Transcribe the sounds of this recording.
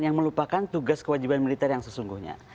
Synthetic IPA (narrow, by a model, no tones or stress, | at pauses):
jaŋməlupakant̪uɡaskəwad͡ʒibanmilit̪ɛrjaŋsəsuŋɡuhɲa̰